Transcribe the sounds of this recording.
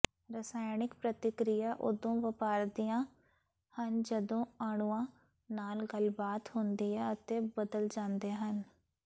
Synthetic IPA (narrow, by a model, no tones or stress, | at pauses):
ɾəsaːɪnɪkpɾət̪ɪkɾɪjaːʔod̪õːʋəpaːɾd̪ijãː | hənd͡ʒəd̪õːaːɳ̃uːãː | naːlɡəlbaːt̪hond̪iːɛːət̪eːbəd̪əld͡ʒãːnd̪eːɦən